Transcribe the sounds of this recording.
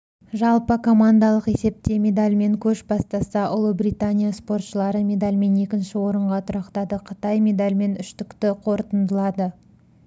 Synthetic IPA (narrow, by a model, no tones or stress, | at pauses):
ʒɑlˠpəkʰo̞mand̪ɑlˠəqe̞se̞p̚t̪e̞mʲe̞d̪alʲme̞ŋkʲʰɵʃbɑst̪ɑsɑʔʊlˠəbrijt̪anʲijaspo̞rt̪ʃəlˠɑɾəmʲe̞d̪alʲme̞ne̞kʲɪnʃɪwo̞ɾəɴʁɑt̪ʰʊɾɑqt̪ɑd̪əqʰət̪ɑjmʲe̞d̪alʲme̞nʏʃt̪ɪkt̪ɪqʰo̞ɾt̪ənd̪əlˠɑd̪ə